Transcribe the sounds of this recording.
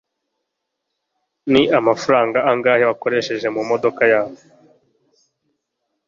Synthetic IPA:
niʔamafaɾaːŋɡaaŋɡaːheβako̞ɾe̞ʃe̞ʒe̞mumo̞do̞kajaːβo

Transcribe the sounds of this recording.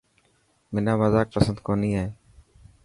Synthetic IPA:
mɪnaːməzaːk̚pəsənd̪̚koːniːɦae

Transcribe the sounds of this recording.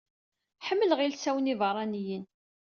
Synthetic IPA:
ħəmːəlʁilsæwənivəɾˤɑnijən

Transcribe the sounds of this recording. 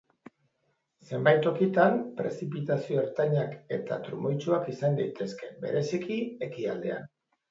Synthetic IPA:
se̞mbajt̪o̞kit̪ampɾe̞̰sipit̪asio̞eɾt̪aɲake̞t̪a̰t̪ɾṵmojt͡ʃuakisand̪ajt̪e̞ske̞be̞̰ɾe̞sikie̞kiald̪e̞̰a̰n

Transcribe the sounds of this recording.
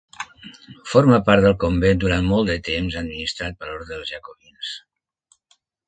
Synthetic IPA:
foɾməpaɾt̪d̪əlˠkombend̪uɾanmɔlˠt̪d̪ət̪emzəd̪minist̪ɾat̪̚bəloɾðɾəːlˠzʒəkoβins

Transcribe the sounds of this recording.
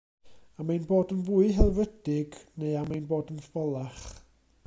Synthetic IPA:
amajnboːdənvuːɨɦɛlˠvədɪɡneɨamajnboːdənfəlˠaχ

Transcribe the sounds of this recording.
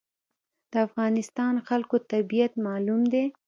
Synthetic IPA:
d̪̥əafɣɑnɪst̪ɑnxalkot̪abijat̪mɑlumd̪e

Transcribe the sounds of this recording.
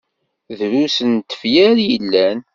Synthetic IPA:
ðɾusənt̪ə̥fjæɾjəlːæn

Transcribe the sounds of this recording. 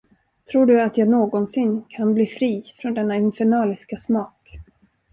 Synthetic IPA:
t̪ʰɾuːɖɵat̪jɑːɡnoːɡɔnsɪnːkʰanbliːfɾiːfɾɔnd̪ɛnːaɪnfɛɳɑːlɪskasmɑːk

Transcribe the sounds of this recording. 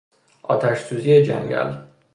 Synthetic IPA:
ʔɒːt̪ʰæʃsuːzijed͡ʒæ̰ŋɟæ̰l

